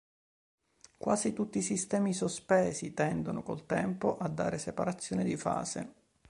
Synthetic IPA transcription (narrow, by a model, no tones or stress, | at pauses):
kwa̰ːzit̪ut̪ːiːsist̪ɛːmisospɛːsit̪ɛnd̪onokolt̪ɛmpoʔad̪ːa̰ːɾesepaɾat̪sːjoːned̪ifa̰ːsḛ